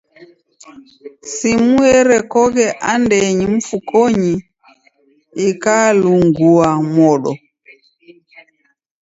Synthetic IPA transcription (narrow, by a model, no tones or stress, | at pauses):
simuɛɾɛkɔɣɛʔandɛɲim̩fukɔɲi | ikaluŋɡuamɔɗɔ